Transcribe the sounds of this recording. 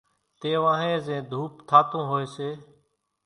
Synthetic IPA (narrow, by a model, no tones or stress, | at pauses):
t̪eːʋãːɦẽːzẽːd̪ʱuːpt̪ʰaːt̪õːɦoːeːseː